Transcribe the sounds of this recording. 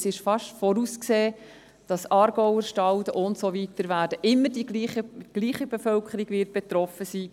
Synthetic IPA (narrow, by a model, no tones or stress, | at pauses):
sɪʃfɑʃtfɔɾuːskseː | d̥ɑsɑːɾɡɔwəɾʃtɑltəʔʊntsovitəɾʋæːɾd̥əʔɪmːəɾdiɡliχəɡ̥liːχibefœlkʰəɾiɡ̥ʋɪt̚b̥et̪rɔfəsiː